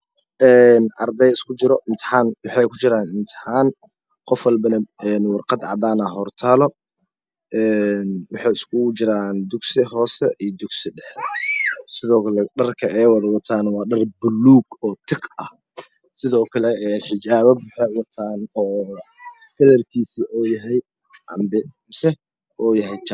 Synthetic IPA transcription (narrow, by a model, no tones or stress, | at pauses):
ʔɛːnʔɐrd̪ɛjɪskʰʊt͡ʃɪɾɔʔɪnt̪ʰɪ̥ħaːnwɑħɑjkʰʊt͡ʃɪɾaːnʔɪnt̪ʰɪ̥ħaːn | qɔfwɑlbɐnɐɛːnwɑrqɑd̪ʕɑ̰d̪aːnɐɦɔrt̪ʰaːlɔ | ʔɛːnwɑħɑjɪskʰʊt͡ʃɪɾaːnd̪ʊɡsɪɦɔːsɛʔijd̪ʊɡsɪɖɛħɛ | sɪðɔːkʰɐlɛɖɐrkʰɐʔɛjwɑðɐwɑt̪ʰaːnwɑːɖɐrbʊlːuːɡɔːt̪ʰɪqɐh | sɪðɔːkʰɐlɛɛːħɪt͡ʃaːβɐbʊħɛwɑt̪ʰaːnɔː | kʰɐlɐrkʰiːsiʔɔːjɐɦɛj | ʔɐ̰mbɪmsɛ | ɔːjɐɦɛjt͡ʃa